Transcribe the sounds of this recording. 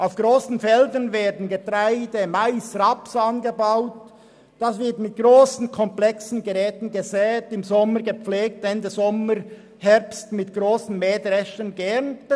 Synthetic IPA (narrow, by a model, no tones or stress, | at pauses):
ʔaʊfɡ̥ʁoːsn̩fɛldənveːɐdn̩ɡətʁaɪdəmaɪsʁɑpsɑnɡəbaʊt | d̥asvɪɾtmɪt̚ɡ̥ʁoːsn̩kʰɔmplɛksn̩ɡəʁɛːtn̩ɡəzɛːtɪmzɔməɡəp͡fleːk̚tɛndəzɔməɾ | hɛʁpstmɪtɡ̥ʁoːsn̩meːdʁɛʃənɡɛʁnt